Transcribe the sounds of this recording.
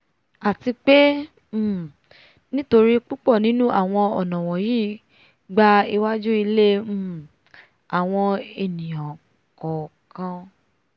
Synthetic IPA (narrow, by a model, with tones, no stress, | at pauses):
a˨ti˧k͡pe˦˨ | nĩ˦to˧ɾi˦k͡pu˦k͡pɔ˦˨nĩ˦nũ˦ʔa˦˨w̃ɔ̃˧ɔ˨nã˨w̃ɔ̃˨jiː˦ | ɡ͡ba˧i˧wa˦d͡ʒu˦i˧le˦˨ | a˨w̃ɔ̃˧e˧˨nĩ˨jã˨ | kɔ˨kã˧